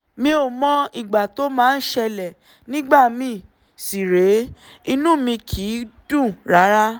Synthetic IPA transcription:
mĩ˧˦o˨mɔ̃˧˦i˨ɡ͡ba˨to˦mãː˦˧n̩˦ʃɛ˧lɛ˨ | nĩ˦ɡ͡ba˦˨mĩ˧˦ | si˨ɾe˨˦ | i˧nũ˦mĩ˧kʰi˨˦d̥ũ˦˨ɾa˨˦ɾa˦

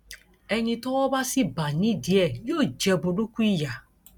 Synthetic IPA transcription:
ɛ˨ɲi˦tɔ˦ɔ˦ba˦si˦ba˨ni˦di˨ɛ˦˨jo˦˨d͡ʒɛ˨bʊ˨du˦kʷu˦i˦ja˨

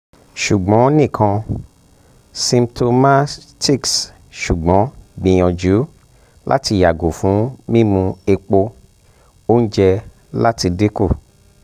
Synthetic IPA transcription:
ʃu˨ɡ͡bɔ̃˨˦nĩ˦˨kʰã˧ | sĩ˧mtʰo˧ma˦ti˦˨ks | ʃu˨ɡ͡bɔ̃˨˦ɡ͡bĩ˨j̃ɔ̃˨d͡ʒu˨˦ | lʔa̰˦ti˧ja˨ɡo˨fũ˨˦mĩ˦mũ˧e˧k͡po˧ | o˦n̩˦d͡ʒɛ˧ | la˦ti˧de˦ko˦˨

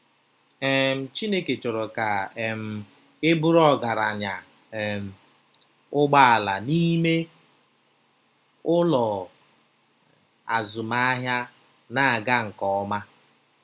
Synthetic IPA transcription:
e˨m̩˨t͡ʃi˦ne˦ke˨t͡ʃʊ˨ɾʊ˨ka˨m̩˨ | ɪ˦bʊ˦ɾɔ˦ɡa˨ɾa˨ɲa˨ | ʊ˦ɡ͡ba˦a˨la˨ni˦me˦ | ʊ˦lɔ˨ | a̰˨zʊ˨ma˦a˦ɦja˦ | na˨ɡa˦ŋ̩˨kɔ˨˦ma˦

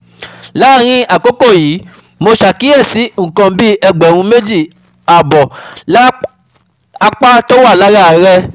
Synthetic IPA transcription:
la˦˨ɾ̃ĩ˧a˨ko˦ko˦˨jiː˨˦ | mo˧ʃa˨ki˦ɛ˦˨si˨˦ŋ̩˨kã˧bi˦ɛ˧ɡ͡bɛ˨wũ˧me˦d͡ʒi˦˨ | a˨bɔ˨˦ | a˧k͡pa˦to˦wa˦˨la˦ɾa˦˨˦ɾɛ˧

